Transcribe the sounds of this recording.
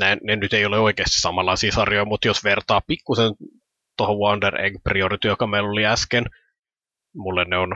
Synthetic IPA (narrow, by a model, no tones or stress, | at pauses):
næinnenyt̪eijoleoikeːst̪i̥ssɑmɑlːɑisiːsɑrjojmut̪josʋert̪ɑːppikːusen | t̪ohoʋwɑnderḛŋɡpriorit̪ijokɑmeiloliæsken | mulːenneon